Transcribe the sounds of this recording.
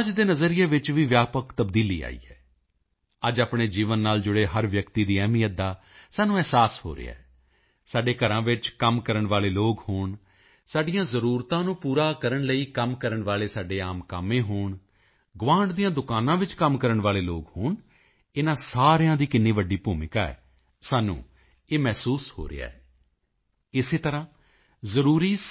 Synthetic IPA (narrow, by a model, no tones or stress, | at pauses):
əd͡ʒd̪eːnəzəɾɪjeːʋɪt͡ʃʋiːʋjaːpəkt̪əbd̪iːlḭːa̰ːḭːɛ̰ː | əd͡ʒaːpɳeːd͡ʒiːʋənːaːld͡ʒʊɽeːɦəɾʋjəkt̪iːd̪iːɛːmijəd̪aː | saːnũːɛːsaːsho̰ːɾḛːa̰ː | saːɖeːkəɾãːʋɪt͡ʃkəmkəɾəɳʋaːleːloːɡhoːɳ | saːɖɪjãːzəɾuːɾt̪ãːnũːpuːɾaːkəɾəɳləiːkəmkəɾəɳʋaːleːsaːɖeːaːmkaːmẽːɦoːɳ | ɡʊʋãːɳɖd̪ijãːd̪ʊkaːnãːʋɪt͡ʃkəmkəɾəɳʋaːleːloːɡhoːɳ | ɪnãːsaːɾjãːd̪iːkɪnːĩːʋəɖiːpuːmɪkaːɛ̰ː | saːnṵ̃ː | eːmɛːsuːsho̰ːɾɪ̰a̰ːɛː | ɪseːt̪əɾãː | zəɾuːɾiː